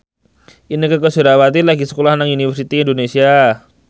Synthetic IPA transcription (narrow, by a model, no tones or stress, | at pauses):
inikəkəsuɾawat̪̬ilaɡisə̥kolahnaŋunifərsit̪iindonesia